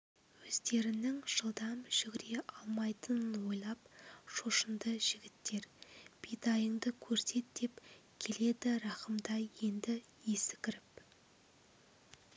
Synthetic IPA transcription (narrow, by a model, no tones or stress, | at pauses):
wɵzd̪e̞ɾɪnɪŋʒ̥əlˠd̪ɑmʒ̥ʏɡʲɪɾe̞ʔɑlˠmɑjt̪ənənwo̞jlˠɑpʃo̞ʃənd̪əʒ̥ɪɡʲɪt̪ːe̞ɾb̥ijd̪ɑjəŋd̪əkʲʰɵɾse̞t̪̚d̪e̞pkʲʰe̞le̞d̪ɪɾɑqəmd̪ɑjje̞nd̪ɪ | jesɪ̥kʲʰɪɾɪp